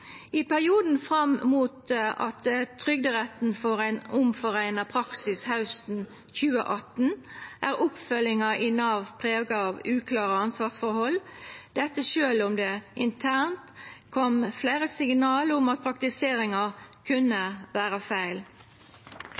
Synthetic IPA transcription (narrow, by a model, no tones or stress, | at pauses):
ɪpʰæʁɪuːd̪n̩fʁɑmmuːt̪ʔɑ̰t̪t̪ʰʁʏɡd̪əʁɛt̪n̩fɔʁæɪnʊmfɔʁæɪnɑpʰɾɑksɪshɑʉst̪n̩ | çʉːə̰ʔɑt̪n̩ʔæːʁʊpfœlːɪŋɑʔɪnːɑʋpʰʁeːʋɡɑɑʋʉːkʰlɑːʁəɑnsʋɑːʁsfɔɾhɔlːd̪̥ɛt̪ːəʃøːlʊmd̪eːʔɪnt̪ʰæʁnt̪kʰɔmfleɪʁəsɪŋnɑːləʊmɑt̪̚pʰɾɑk̚t̪ɪseːʁɪŋɑkʰʉnːəʋæːʁəfæɪl